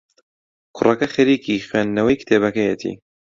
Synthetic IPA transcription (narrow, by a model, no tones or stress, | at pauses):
kʰʊrʔɐkɐxɐɾiːkʰiːxweːnd̪nɐwɐjkʰt̪ʰeːβɐkɐjet̪ʰḭː